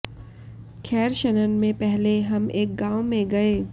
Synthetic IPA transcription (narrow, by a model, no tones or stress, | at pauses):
kʰɛːɾʃənənmẽpɛɦleɦɐmeːk̚ɡaːomẽɡɐeː